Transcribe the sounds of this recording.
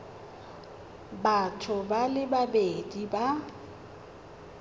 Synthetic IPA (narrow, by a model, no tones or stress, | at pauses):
batʰʊbalɪbabediba